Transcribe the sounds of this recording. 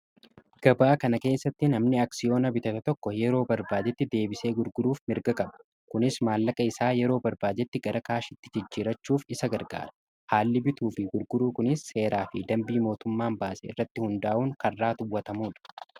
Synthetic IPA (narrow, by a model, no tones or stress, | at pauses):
ɡ̥ɐbaːkɐnɐke̞ːsːɐt̪ːɪnɐmnɪɐksɪjo̞ːnɐbɪt̪ɐt̪ɐt̪ɔkːɔjɛɾo̞ːbɐɾbaːd͡ʒɛt̪ːɪd̪e̞ːbɪse̞ːɡʊɾɡʊɾuːfmɪɾɡɐkʼɐbɐ̥ | kʊnɪsmaːlːɐkʼɐɪsaːjɛɾo̞ːbɐɾbaːd͡ʒɛt̪ːɪɡɐɾɐkaːʃɪt̪ːɪd͡ʒɪd͡ʒːiːɾɐt͡ʃːuːfɪsɐɡɐɾɡa̰ːɾɐ̥ | haːlːɪbɪt̪uːfɪɡʊɾɡʊɾuːkʊnɪsːe̞ːɾaːfɪd̪ɐmbiːmo̞ːt̪ʊmːaːmbaːseːɪ̰rːɐt̪ːɪhʊnd̪aːʔuːŋkɐrːaːt̪ʊwːɐt̪ɐmuːᶑɐ̥